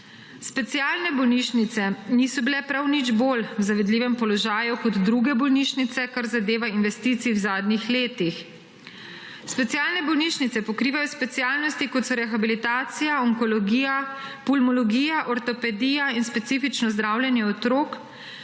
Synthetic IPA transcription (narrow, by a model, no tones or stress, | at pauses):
spɛt̪sijaːlnɛbɔwniːʃnit̪sɛnisɔbilɛpɾawnid͡ʒboːlwzaʋɛd̪liːʋɛmpɔlɔʒaːjukɔd̪d̪ɾuɡɛbɔlniːʃnit̪sɛkaɾzad̪eːʋainʋɛst̪iːt̪siːwzaːd̪nixleːt̪ix | spɛt̪sijaːlnɛbɔwniːʃnit̪ɛpɔkɾiːʋajɔspɛt̪sijaːlnɔst̪ikɔt̪sɔɾɛxabilit̪aːt̪sijaɔŋkɔlɔɡiːjapulmɔlɔɡiːjaʔɔɾt̪ɔpɛd̪iːjainspɛt̪siːfit͡ʃnɔzd̪ɾaːwljɛnjɛɔt̪ɾoːk